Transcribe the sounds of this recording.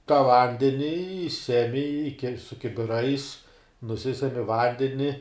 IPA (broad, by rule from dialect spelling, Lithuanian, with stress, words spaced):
tɐ ˈʋɐnʲdʲɛnʲɪ ɪ ˈsʲæːmʲɪ ɪ kʲɛ sʊ kʲɪbʲɪˈrɐɪs nʊˈsʲɪsʲɛmʲɪ ˈʋɐnʲdʲɛnʲɪ